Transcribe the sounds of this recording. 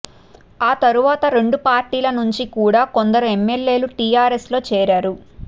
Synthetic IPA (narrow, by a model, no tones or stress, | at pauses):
aːt̪ɐɾuʋaːt̪ɐɾe̞ɳɖupaːɾʈiːlɐnuɲt͡ʃikuːɽaːko̞nd̪ɐɾuemːe̞lːe̞ːluʈiːjaːɾeslo̞ːt͡ʃɛːɾaːɾu